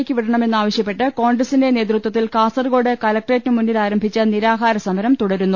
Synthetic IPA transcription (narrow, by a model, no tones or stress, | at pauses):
kʲːɨʋiɽɐɳɐme̞nːaːʋɐɕjɐpːe̞ʈːɨko̞ːɳɖrɐsindene̞ːt̪̬rut̪wɐt̪ːilkaːsɐrɡo̞ːɽekɐlɐk̚ʈreːtːnɨmunːilaːɾɐmbʱit͡ɕːɐniɾaːɦaːɾɐsɐmɐɾɐmt̪uɽɐɾunːu